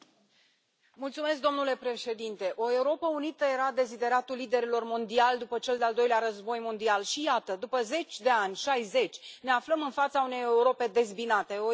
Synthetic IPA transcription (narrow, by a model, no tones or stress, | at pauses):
mult̪sume̞s̬k̚d̪o̞mnule̞pɾe̞ʃe̞d̪int̪e̞ʔo̞e̞uɾo̞pəunit̪əje̞ɾad̪e̞zid̪e̞ɾat̪ulːid̪e̞ɾilo̞rmo̞nd̪iald̪upət͡ʃe̞ld̪eald̪o̞jleaɾəzbo̞jmo̞nd̪ialʃijat̪əd̪upəze̞t͡ʃʲd̪e̞anʲʃajze̞t͡ʃʲne̞afləmɨnfat̪saune̞jeuɾo̞pe̞d̪e̞zbinat̪e̞o